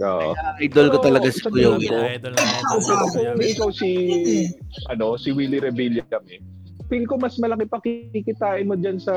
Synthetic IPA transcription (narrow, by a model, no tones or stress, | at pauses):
ʔo̰ːʔo̰ʔajd̪olkot̪ɐlɐɡasɐkʊjokoopɪnɐkonɪʔɪkawsi | ʔɐ̰no̞sɪwilɪɾɛbiljɐkɐmɛ | pɛlkoŋmɐsmɐlɐkɛpɐkɪkikɪt̪aːʔɪnmod͡ʒɐnsɐ